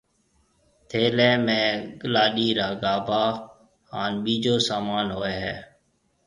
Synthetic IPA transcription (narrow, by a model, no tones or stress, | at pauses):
t̪ʰeːleːmẽːɡəlaːɗiːɾaːɡaːbaː | haːnɓiːd͡ʒoːsaːmaːnɦoːeːɦɛː